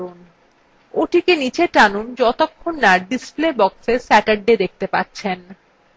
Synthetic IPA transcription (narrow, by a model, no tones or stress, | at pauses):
on | oʈikenit͡ɕʰeʈanund͡ʑɔt̪okʰːonːaɾɖisplebɔksesɛʈaɾɖed̪ek̚t̪epatːɕʰen